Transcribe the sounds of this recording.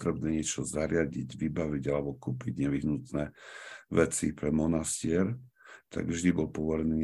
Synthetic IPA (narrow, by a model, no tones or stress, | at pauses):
t̪ɾɛbnɛːɲɪɛt͡ʃɔzaɾɪaɟiɟʋibaʋiɟalɛbɔkuːpiɟɲɛʋiɦnut̪nɛːʋɛt͡sipɾɛmɔnascɪɛɾ | t̪a̰ɡvʒd̪ibɔlpɔʋɔɾni